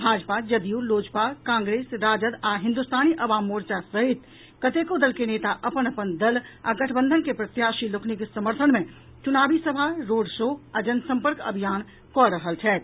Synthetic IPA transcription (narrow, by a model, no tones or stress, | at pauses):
bʱaːd͡ʒpad͡ʒəd̪ijuloːd͡ʒpakãːŋɡɾeːsɾaːd͡ʒəd̪aɦɪ̃nd̪ust̪ʰaːniʔəʋaːmoːɾt͡ʃasəɦit̪ | kət̪ekod̪əlkeneːt̪aʔəpənəpənd̪əla̰ɡəʈʰbə̃nd̪ʱənkepɾət̪jaːʃiloknikesəməɾt̪ʰənmẽ | t͡ʃʊnaːbisəbʱaɾoːɖʃoːad͡ʒənsə̃mpəɾkə̰bʱijaːn | kɔɾəɦəlt͡ʃʰɛːt̪